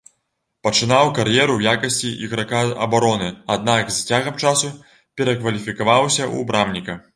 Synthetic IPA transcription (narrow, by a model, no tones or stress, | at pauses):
pɐt͡ʂɨnawkaɾjɛɾujakɐsʲt͡sʲiʔiɣɾakaɐ̰baɾɔnɨad̪̚nakzt͡sʲaɣɐmt͡ʂasu | pʲɛɾɐkvɐlʲifʲikavawsʲɐʔṵbɾamnʲikɐ